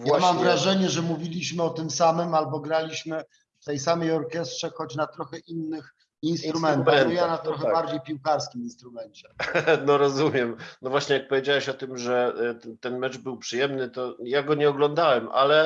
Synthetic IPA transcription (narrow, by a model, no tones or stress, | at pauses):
vjaamamvɾaʐɛɲɛʐɛmuvʲilʲiɕmɘɔt̪ɘmsamɘmalbɔɡɾalʲiɕmɘ | ft̪ɛjsamɛjɔɾkʲjɛstʂɛxɔt͡ɕnat̪ɾɔxɛʔinːɘx | inst̪ɾusmɛntt̪ajanat̪ɾɔxɛbaɾd͡ʑejpʲiwkaɾskʲiminst̪ɾumɛnt͡ɕɛnɔɾɔzumʲjɛmnɔvwaɕɲɛjak̚pɔvʲjed͡ʑawɛɕɔt̪ɘmʐɛt̪ɛnmɛt͡ʂbɘwpʂɘjɛmnɘt̪ɔjaɡɔɲɛɔɡlɔnd̪awɛma̰lɛ